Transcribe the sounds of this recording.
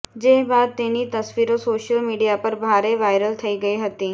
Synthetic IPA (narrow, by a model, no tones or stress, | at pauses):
d͡ʒeːɦbaːd̪̚t̪eːnit̪ɐsʋiːɾõsoːʃəlmiːɖijapɐɾbʱaːɾeʋaːɪɾəlt̪ʰɐiɡɐiɦɐt̪iː